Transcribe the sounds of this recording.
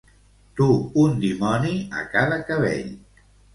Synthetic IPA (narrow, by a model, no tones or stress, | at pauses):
t̪uund̪imɔniə̰kaðəkəβḛʎ